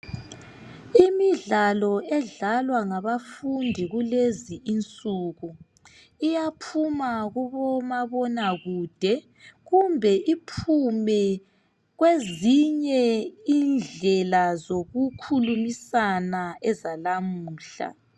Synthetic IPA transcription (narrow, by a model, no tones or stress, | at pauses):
imiɮalɔɛɮalwaŋaβafundʱiɣuleziʔːnt͡sʼuɣu | ijapʰumaɣuβɔmaβɔnaɣuːd̥ʱɛ | ɣumbʱɛʔipʰumɛ | ɣweziɲɛind͡ɮʱɛlazoɣukʰulumisanaɛzalamuːɬa̰